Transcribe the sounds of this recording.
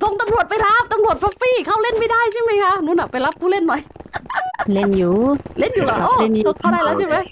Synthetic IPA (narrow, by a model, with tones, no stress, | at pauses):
ko˧˩ŋt̪a˧mlu˨˩ət̪̚pa˧jlaː˦˥p̚t̪a˧mlu˨˩ət̪̚faː˧˥k̚fiː˧˩kʰa˧˩wle˧˥˨nma˧˩jdaː˧˩jt͡ɕi˧˥˩ŋmi˧˩ŋkʰaː˧˥˩nuː˧˥naː˨˧˩pa˨˧jla˦˥p̚kʰuː˧˩le˧˥˩nːɔ˨˩j | le˧˩njuː˨˦le˧˥˩njuː˨˦la˨˧ʔo˧˨le˧˩n˨˧˩k̪ʰa˧˩daː˧˩jlaː˧˥˦t͡ɕiː˧˩ma˨˦j